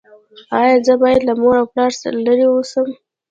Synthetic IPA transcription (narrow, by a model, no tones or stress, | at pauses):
ɑjɑzəbɑjad̪lamoɾawplɑɾsə̰ɾalaɾewusəm